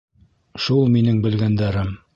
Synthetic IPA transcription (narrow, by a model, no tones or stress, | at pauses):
ʃulˠminɘŋbɘ̆lɡænd̪æɾɘm